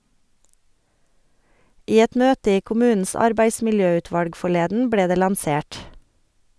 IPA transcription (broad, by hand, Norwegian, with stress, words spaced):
ˈiː ˈɛt ˈmøːtə ˈiː kʊˈmʉːn̩s ˈɑɾbæɪsmɪlˌjøːˌʉːtʋɑlɡ fɔˈɭeːdn̩ ˈbleː ˈdeː lɑnˈseːʈ